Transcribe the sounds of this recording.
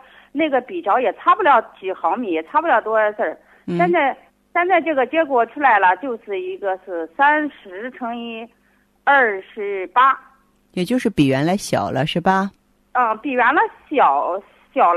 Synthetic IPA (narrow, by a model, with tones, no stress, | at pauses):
na˥˩ɡə˩pi˨˩ʈ͡ʂɑ˧˥ʊjɛ˨˩t͡sʰa˥pu˥˩ljɑ˧˥ʊt͡ɕi˨˩xɑ˧˥ʊmi˨˧˩jɛ˨˩t͡sʰa˥pu˥˧ljɑ˧˩ʊt̪wɔ˥ə˧˥sə˥˩ | n̩ɕjɛ˥˧nt͡sa˥˩ɪ | ɕjɛ˥˧nt͡sa˥˧ɪʈ͡ʂɤ˥˩ɡə˩t͡ɕjɛ˧˥kwɔ˨˩ʈ͡ʂʰu˥la˧˥ɪlə˨t͡ɕjo˥˧ʊʂɻ̩˥˩i˧˥ɡə˧ʂɹ̩˥˩sa˥nʂɻ̩˧˥ʈ͡ʂʰɤ˥ŋi˥ | a˞˥˩ʂɻ̩˧˥pa˥ | jɛ˨˩t͡ɕjo˥˧ʊʂɻ̩˥˩pi˨˩ɥɛ˧˥nla˧˥ɪɕjɑ̰˨˩ʊlə˦ʂɻ̩˥˩bɐ˩˥˩ | pi˨˩ɥɛ˧˥nlə˧ɕjɑ˨˩ʊ | ɕjɑ˨˩ʊl